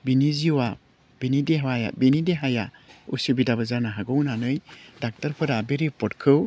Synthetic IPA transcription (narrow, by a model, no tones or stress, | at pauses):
biniziwa | binideɦawaja̰binideɦajaṵsibidaβɯzanaɦaɡɯwnanɯjdak̚taɾpʰɯɾabeɾipʰɔtkʰɯw